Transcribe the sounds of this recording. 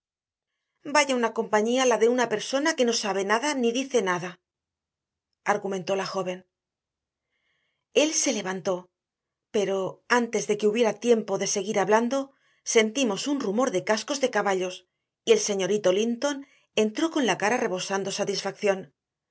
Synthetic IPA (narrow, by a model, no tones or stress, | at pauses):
baʝaunako̞mpaɲialaðe̞unape̞ɾso̞nake̞no̞saβe̞naðaniðiθe̞naða | aɾɣumẽ̞nt̪o̞laxo̞β̞e̞n | e̞lse̞le̞βant̪o̞ | pe̞ɾo̞ant̪e̞zðe̞ke̞uβje̞ɾat̪je̞mpo̞ðe̞se̞ɣiɾaβland̪o̞ | se̞nt̪imo̞sunrumo̞ɾðe̞kasko̞zðe̞kaβaʎo̞s | ie̞lse̞ɲo̞ɾit̪o̞lint̪o̞n | e̞nt̪ɾo̞ko̞nlakaɾare̞βo̞sand̪o̞sat̪isfakθjo̞n